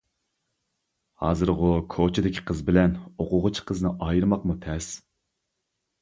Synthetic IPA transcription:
hɑ̰ːzɨɾʁʊkʰot͡ʃʰɪd̪ɪkʲʰi̥qʰəzbɪlɛnoqʊʁʊt͡ʃʰqʰəznɨʔɑjiɾmɑqmut̪ʰɛs

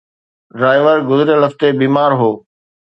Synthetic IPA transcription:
ɖɾaːɪʋəɾɡʊzɾjaləft̪ebiːmaːɾɦoː

